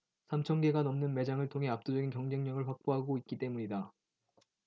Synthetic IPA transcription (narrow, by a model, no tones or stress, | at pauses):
sʰamt͡ɕʰʌŋɡe̞ɡanʌmnɯnme̞d͡ʑaŋɯɭtʰoŋɦe̞ap̚t͈od͡ʑʌɡinkjʌŋd͡ʑe̞ŋɲʌŋɯɭɸwak̚p͈oɦaɡoit̚k͈it͈e̞muɲida